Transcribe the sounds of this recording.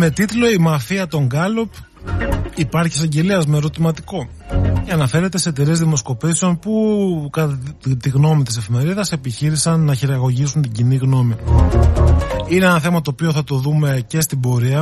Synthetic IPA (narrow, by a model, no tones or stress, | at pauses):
me̞t̪it̪lo̞imɐfiɐt̪o̞ŋɡɐlo̞p | ipɐɾçiesɐɲɟe̞liɐzme̞ɾo̞t̪imɐt̪iko̞ | ceɐnɐfe̞ɾe̞t̪e̞se̞t̪eɾezðimo̞sko̞piseo̞npukɐt̪iɣno̞mit̪ise̞fime̞ɾiðɐse̞piçiɾisɐnːɐçiɾɐɣo̞ʝisunt̪iɟiniɣno̞mi | ineenɐθe̞mɐt̪o̞ːpio̞θɐt̪o̞ðume̞ce̞st̪ibo̞ɾiɐ